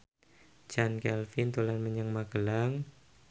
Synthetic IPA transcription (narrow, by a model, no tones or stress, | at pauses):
d͡ʒankɛlfint̪ulanməɲəŋmaɡ̥əlaŋ